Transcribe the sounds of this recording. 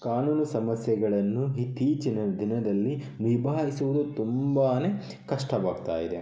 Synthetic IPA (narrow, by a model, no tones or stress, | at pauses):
kaːnuːnɐsɐmɐsjɛɡɐɭɐnːuɦit̪iːt͡ʃinɐd̪inɐd̪ɐlːi | nibʱaːɦisuʋud̪ut̪umbaːne̞ | kɐʂʈɐʋaːɡ̚t̪a̰ːjid̪e̞